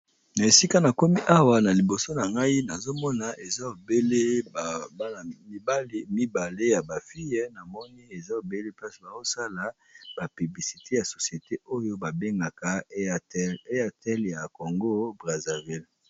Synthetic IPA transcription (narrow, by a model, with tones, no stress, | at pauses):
na˨e˨si˦ka˦na˨ko˦mi˦ʔa˦wa˦na˨li˨bo˨so˦na˨ŋɡa˦i˦na˨zo˦mɔ˦na˨ʔe˨za˦o˨be˦le˦ba˨ba˦na˨mi˦ba˦lmi˦ba˨le˦ja˨ba˨fi˦jɛ˦na˨mɔ˦ni˦e˨za˦o˨be˦le˦pa˦sba˨zo˦sa˦la˨˦ | b̥a˨py˨bli˨si˨tʰe˦ja˨so˨sje˨te˦o˦jo˦ba˨be˦ŋɡa˨ka˨˦e˦a˨tɛ˦lja˨ko˨ŋɡo˦bʁa˨za˨vi˦l